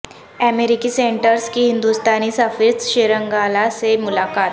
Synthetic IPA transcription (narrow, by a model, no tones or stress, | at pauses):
ɛmeɾikisẽɳʈəɾskiɦɪ̃nd̪ust̪aːnisəfɪɾt̪ʃeːɾə̃ŋɡaːlasemʊlaːkaːt̪